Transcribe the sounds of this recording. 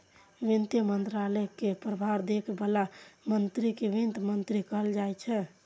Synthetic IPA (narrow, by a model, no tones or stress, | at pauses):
ʋint̪jəmənt̪ɾalɛkepɾəbʱaɾd̪ekʰbəlamənt̪ɾikeʋint̪mənt̪ɾikəɦəld͡ʒajt͡ʃʰɛ